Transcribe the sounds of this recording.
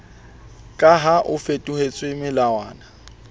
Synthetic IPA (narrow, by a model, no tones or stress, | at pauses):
kʼaɦaʔʊfetʼuhet͡sʼwemɪlawaːna